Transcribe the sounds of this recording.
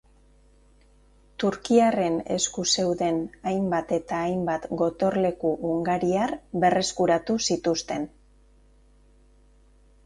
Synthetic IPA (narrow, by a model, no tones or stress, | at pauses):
t̪uɾkiare̞ne̞̰skuse̞wðe̞najmbat̪e̞t̪aːjmbat̪ɡo̞t̪o̞ɾle̞kuʔːŋɡaɾiaɾβe̞re̞skuɾat̪usit̪ust̪e̞n